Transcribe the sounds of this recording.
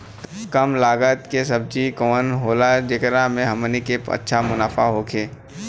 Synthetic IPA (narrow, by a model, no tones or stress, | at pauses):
t̪kɐmlaːɡət̪kesɐb̚d͡ʒikoːənɦoːlad͡ʒekɾamẽɦɐmənikepɐ̰tːʃʰamʊnaːfaɦokʰeː